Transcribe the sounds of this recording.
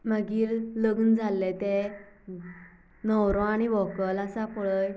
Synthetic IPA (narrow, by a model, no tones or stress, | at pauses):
məɡiːɾləɡnd͡zʱalːet̪e | nɔwɾõaɽ̃iʋɔkələsapəɭəj